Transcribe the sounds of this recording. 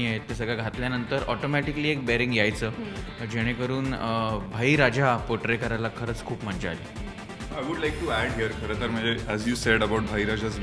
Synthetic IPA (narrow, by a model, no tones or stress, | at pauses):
iaɦet̪ːesəɡɭjaɡʱat̪ljanənt̪əɾɔʈomæʈikəliːek̚bɛɾĩŋɡjajt͡səː | d͡ʑeɽ̃ekəɾuːnbʱaiːɾad͡ʑapoʈɾekəɾajlakʰəɾət͡skʰuːpm̤əɳd͡ʑealiː | ajʋuɖlajk̚ʈuæɖɦijəɾkʰəɾət̪əɾm̤əɳd͡zeæzjuːseɖəbawʈ̚bʱaiɾad͡ʑaz